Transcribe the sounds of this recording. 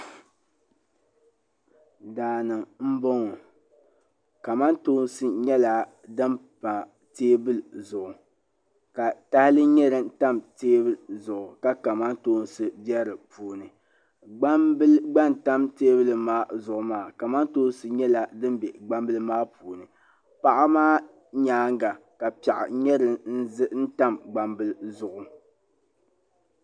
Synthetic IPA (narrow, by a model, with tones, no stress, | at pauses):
daː˨nɨ˨ŋm̩˦bɔ˦ŋɔ˨ | ka˨ma˦ntoː˦n˦sɨ˦ɲɛ˦la˨ | dɨ˦npa˨ | teː˦bɨ˦lzʊ˨ʔʊ˨ | ka˨ta˦hɪ˦lɨ˦ɲɛ˦ɾɨ˦nta˦mteː˦bɨ˦lzʊ˨ʔʊ˨ka˦ka˨ma˦ntoː˦n˦sɨ˦dɛ˦ɾɨ˨puː˨˦nɨ˨ | ɡ͡ba˦mbɨ˦lɡ͡ba˦nta˦mteː˦bɨ˦lɨ˨maː˦zʊ˨ʔʊ˨maː˦˨ka˨ma˦ntoː˦n˦sɨ˨ɲɛ˦la˨dɨ˦m˦bɛ˨ɡ͡ba˦mbɨ˦lɨ˦maː˦puː˨nɨ˨ | pa˦ʔa˦maː˦ | ɲaː˨˦ŋɡa˨ | ka˨pa˨ʔa̰˨ɲɛ˦ɾɨ˨n̩˦zɨ˦n̩˦ta˦mɡ͡ba˨mbɨ˦lzʊ˨ʔʊ˨